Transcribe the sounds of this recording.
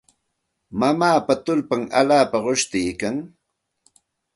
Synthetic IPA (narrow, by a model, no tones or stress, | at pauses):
mamaːpat̪ʊlpaŋa̰ʎaːpaɢoʃt̪ɪjkaŋ